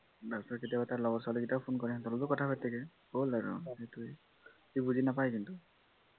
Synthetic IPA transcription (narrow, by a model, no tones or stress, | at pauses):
dalsaɹketijabataɹlɔɡɔtsalɛkitapʰonkɔɹɛtɔlɔtʊkɔtʰapʰatːɛkɛ | bolaɹṵetu | kibuzinapajkintu